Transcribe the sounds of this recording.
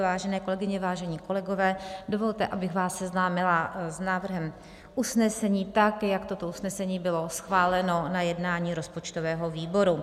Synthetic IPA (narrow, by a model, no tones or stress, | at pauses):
vaːʒɛnɛːko̞lɛɡɪɲɛvaːʒɛɲiːko̞lɛɡo̞vɛːdo̞vo̞lt̪ɛʔabɪxɣvaːsːɛznaːmɪlaznaːvr̩ɦɛm | ʔusnɛsɛɲiːt̪akjakt̪ot̪o̞ʔusnɛsɛɲiːbɪlo̞sxvaːlɛno̞najɛdnaːɲiːɾo̞spo̞t͡ʃt̪ovɛːɦo̞viːbo̞ɾu